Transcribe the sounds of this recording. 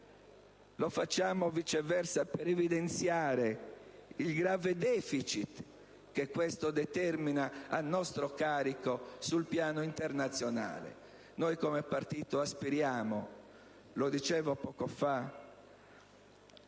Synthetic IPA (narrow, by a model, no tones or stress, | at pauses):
lofat͡ʃːaːmovit͡ʃɛvɛrsapɛɾevid̪ent̪sjaːɾe | ilɡɾaːved̪ɛːfit͡ʃit̪ | kekːwest̪od̪ɛt̪ɛrminaanːɔst̪ɾokaːɾikosulpjaːnoint̪ernat̪sːjona̰ːlḛ | nojkoɔmɛpart̪iːt̪oaspiɾjaːmo | lod̪it͡ʃɛːvopɔːkofa